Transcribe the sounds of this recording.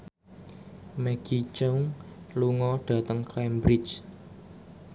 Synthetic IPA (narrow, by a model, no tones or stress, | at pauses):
mɛɡ̥it͡ʃoŋ | luŋɔɖ̥ä̤t̪əŋklambɾɪt͡ʃ